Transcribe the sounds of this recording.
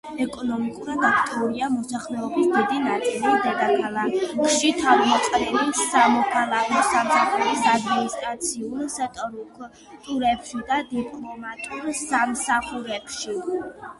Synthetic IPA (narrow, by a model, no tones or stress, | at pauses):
ɛkʼɔnɔmikʼuɾad̪akʰt̪ʼiuɾiamɔsaχlɛɔbisd̪id̪inat̪sʼilid̪ɛd̪akʰalˠakkʼʃit̪ʰaɾmɔqʼɛnɛlisamɔkʰalˠakʰɔsamsaχuɾisad̪minist̪ʼɾat̪sʰiulsɛt̪ʼɔɾk | t̪ʼuɾɛpʃid̪ad̪ipʼlˠɔmat̪ʼuɾsamsaχuɾɛbʃi